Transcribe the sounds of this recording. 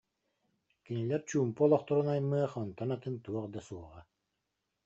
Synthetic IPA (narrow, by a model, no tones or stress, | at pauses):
kinilɛɾt͡ɕuːmpuɔlˠɔχt̪ɔɾunajmːɯɐχɔnt̪ɔnat̪ɯnt̪uɔʁd̪asuɔʁa